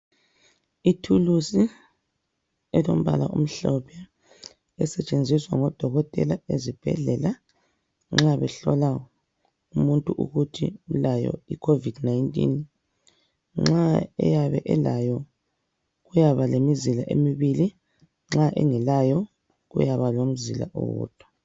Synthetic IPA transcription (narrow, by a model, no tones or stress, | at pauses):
itʰulusi | ɛlo̰m̩βa̰laʔum̩ɬɔpʰɛ | ɛsɛt͡ʃʼend͡zʱiswaŋɔd̥ʱɔɣɔtʼɛlaezib̥ʱɛ̰ɮɛla | ŋ͡ǁaβɛɬɔla | umuntʼuʔṵɣutʰḭulajɔ̰ikʰovid̥najntʼḭn | ŋ͡ǁaɛ̰jaβɛʔɛlajɔ | ɣujaβalemizilaʔemiβili | ŋ͡ǁaʔɛŋɛlajɔ | ɣṵjaβalom̩zila̰ʔo̰wɔ̰ːd̥ʱwa